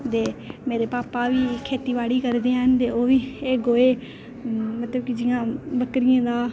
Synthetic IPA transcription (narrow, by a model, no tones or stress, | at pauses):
t̪eːmeːɾeːpaːpaːʋiːkʰːeːt̪iːʋaːɽiːkəɾd̪eːaɦənt̪eːoːʋiːeːɡoːeː | mət̪ləbkid͡ʒɪãːbəkɾɪjãːd̪aː